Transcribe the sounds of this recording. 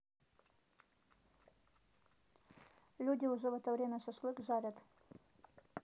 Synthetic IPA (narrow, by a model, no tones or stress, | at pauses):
lʲudʲɪʊʐɛvɛt̪ovɾʲemʲəsɐʂlˠɨkʐaɾʲət̪